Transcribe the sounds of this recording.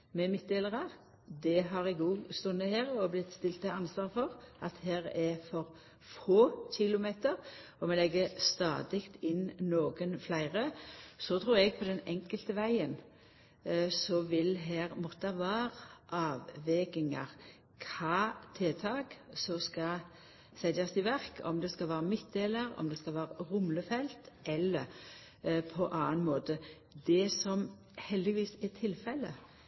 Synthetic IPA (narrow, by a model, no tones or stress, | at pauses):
mɛmɪt̪̚d̪eːləʁɑ | d̪ɛɦɑɾɪɡuːst̪ʉnːəheːɾɔblɪt̪ːst̪ɪlt̪əɑnsʋɑːɾfɔʁʔɑt̪heːɾɛfɔɾ | foːçɪlʊmeːt̪əɾ | ɔmɛlɛɡːəst̪ɑ̰ːd̪ɪkt̪ɪnnoːɡənflæɪʁəsɔt̪ʰɾuːɾɛɡ̚pʰɔd̪ɛnɛŋkəlt̪əʋæɪən | sɔʋɪlɦæːɾmɔt̪ːɑʋæːɾʔɑːʋːɛɡɪŋɑ̰ɾ | kʰɑːt̪ʰeːt̪ʰɑːɡsɔskɑ | sɛd̪jɑst̪ɪʋæɾkʰɔ̰md̪ɛskɑʋæːɾəmɪt̪̚d̪eːləɾɔ̰md̪ɛskɑʋæːɾəɾʊmləfɛlt̪ʔɛlːə | pʰɔʔɑːənmoːt̪ə | d̪ɛsɔm | hɛld̪ɪʋiːsɛt̪ʰɪlfɛlːə